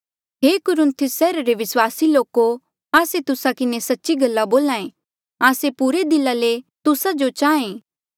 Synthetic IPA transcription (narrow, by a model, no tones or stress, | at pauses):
ɦeːkʊɾʊ̃nt̪ʰɪsːɛːɾaɾeʋɪswaːsiloːko | aːset̪ʊsakɪnesɐtːʃiɡɐlːaboːlãːẽ | aːsepuːɾed̪ɪlːalet̪ʊsad͡ʒot͡ʃaːẽː